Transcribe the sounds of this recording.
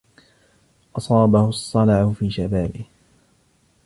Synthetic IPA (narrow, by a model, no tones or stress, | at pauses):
ʔɑsˤɑːbahʊsˤːɑlaʕʊfiːʃabaːbɪh